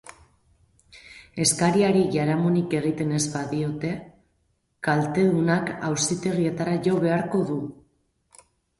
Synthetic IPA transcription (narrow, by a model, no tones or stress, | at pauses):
e̞skaɾiaɾiʝaɾamonike̞ɣ̞it̪e̞ne̞zbaðio̞t̪e̞ | kalt̪e̞ðunakawsit̪e̞rie̞t̪aɾaʝo̞βe̞aɾko̞ðu